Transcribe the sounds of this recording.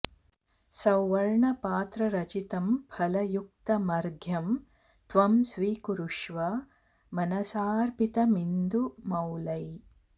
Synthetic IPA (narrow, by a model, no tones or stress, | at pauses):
sɐwːɐɾɳɐpaːt̪ɾɐɾɐt͡ʃit̪ɐmpʰɐlɐjuk̚t̪ɐmɐɾɡʱjɐm | t̪ʋɐmsʋiːkuɾuʂʋɐ | mɐnɐsaːɾpit̪ɐmind̪umɐwlɐj